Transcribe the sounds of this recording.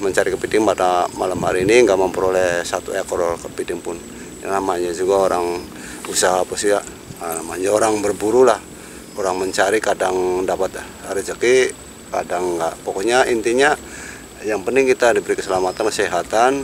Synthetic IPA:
məɲt͡ʃaɾikəpidɪŋpadamalamɦa̰ɾiːniŋɡaʔməmpəɾolɛhsat̪uekɔɾkə̥pidɪŋpʊn | ja̰namaɲad͡ʒuɡaoɾaŋ | usaɦapasiaʔ | namaɲaoɾaŋbərbuɾulah | oɾaŋməɲt͡ʃaɾikadaŋdapat̪ | aɾid͡ʒəki | kadaŋːɡaʔpokoɲaint̪iɲa | jaŋpənt̪ɪŋkit̪adibəɾikəsəlamat̪ankəsɛɦat̪an

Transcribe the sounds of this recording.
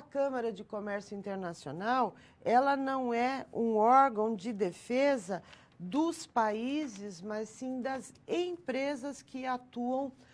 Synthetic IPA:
ɐkɐ̃mɐɾɐd͡ʒɪkomɛɾsjʊĩnt̪eɾnasionaw | ɛlɐnɐ̃w̃ɛũɔɾɡɐ̃w̃d͡ʒɪd̪efezɐ | d̪ʊspaizɪzmasːĩd̪ɐzẽj̃pɾezɐskɪat̪uɐ̃w̃

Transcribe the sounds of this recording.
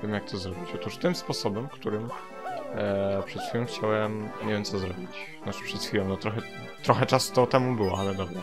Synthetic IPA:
vʲjɛmjak̚t̪ʰɔzɾɔbʲit͡ɕɔt̪uʂt̪ɘmspɔsɔbɛmkt̪uɾɘm | pʂɛt̪xʲfʲilɔ̃w̃xt͡ɕawɛmɲevjɛmsɔzɾɔbʲit͡ɕ | nat͡ʃɨ̥pʂɛt̪xʲfʲilɔ̃nɔt̪ɾɔxɛ | t̪ɾɔxɛt͡ʂasu̥t̪ɔt̪ɛmubɘwɔalɛd̪ɔbɾa

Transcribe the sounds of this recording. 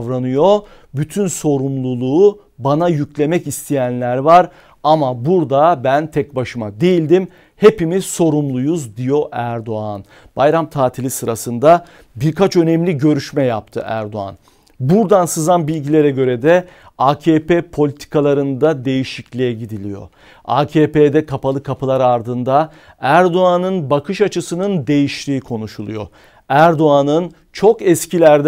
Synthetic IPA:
vɾanɯjo̞ | byt̪ʰynso̞ɾumlˠulˠuː | banajyclʲe̞mɛcist̪ʰɛjænlʲæɾvaɾ | amabuɾd̪abænt̪ʰɛc̚baʃɯmad̪e̞jilʲd̪im | he̞pimiz̥so̞ɾumlˠujuzd̪ijo̞ʔæɾd̪o̞an | b̥ajɾamt̪ʰaːt̪ʰilʲisɯɾasɯnd̪a | biɾkʰat͡ʃø̞nɛmlʲiɟø̞ɾyʃmɛjap̚t̪ʰɯ̰ʔæ̰ɾd̪o̞a̰n | buɾd̪ansɯzanbilʲɟilʲeɾɛɟø̞ɾɛd̪ɛ | aːcʰeːpepʰo̞lʲit̪ʰi̥kʰalˠaɾɯnd̪ad̪e̞jiʃiclʲijɛɟid̪ilʲijo̞̰ | a̰ːcʰeːped̪ɛkʰapʰalˠɯkʰapʰɯlˠaɾaɾd̪ɯnd̪a | æɾd̪o̞anɯnbakʰɯʃat͡ʃʰɯsɯnɯnd̪e̞jiʃlʲiːikʰo̞nuʃulˠṵjo̰ | æɾd̪o̞anɯn | t͡ʃʰo̞kɛscʰilʲæɾd̪

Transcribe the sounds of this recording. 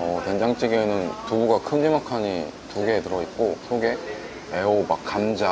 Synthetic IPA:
ʌteŋd͡ʑaŋt͡ɕ͈iɡe̞nɯntubuɡakʰɯnd͡ʑimakʰaɲi | tuɡe̞tɯɾʌit̚k͈osʰoɡe̞ | e̞omakk͈amd͡ʑa

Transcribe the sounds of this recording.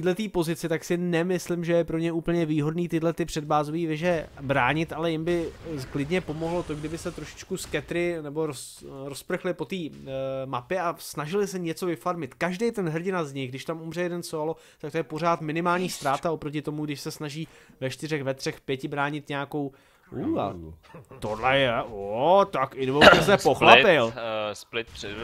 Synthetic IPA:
t̪iːdlɛt̪iːpo̞zɪt͡sɪt̪aksɪnɛmɪslɪmʒɛjɛpɾo̞ɲɛʔuːpl̩ɲɛviːɦo̞dniːt̪ɪdlɛt̪ɪpr̥ɛd̪̚baːzoviːvɛʒɛbɾaːɲɪt̪ʔalɛjɪmbɪklɪdɲɛpo̞mo̞ɦlo̞t̪o̞ɡdɪbɪsɛt̪ɾoʃɪ̥t͡ʃkuskɛt̪ɾɪnɛbo̞ɾos | ɾospr̩xlɪpo̞t̪iːmapjɛasnaʒɪlɪsɛɲɛt͡so̞vɪfaɾmɪt̪kaʒdɛjt̪ɛnɦr̩ɟɪnazɲɪɣɡ̚dɪʃt̪amumr̝ɛjɛdɛnsoalo̞ | t̪ak̚t̪ojɛpor̝aːt̪mɪnɪmaːlɲiːst̪ɾaːt̪aopɾo̞cɪt̪omuɡdɪʃsɛsnaʒiːvɛʃt̪ɪrɛxvɛt̪r̝̥ɛxpjɛcɪbɾaːɲɪt̪ɲɛako̞w | uːa̰ | t̪odlɛjɛot̪akɪnvowtɛszɛpoxlapɪlsplɪt̪̚ɛ

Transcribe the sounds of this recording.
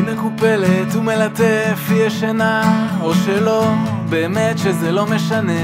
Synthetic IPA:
mekupelet̪umelat̪efiaʃenaoʃelo̞beːmetʃezɛlo̞meʃane

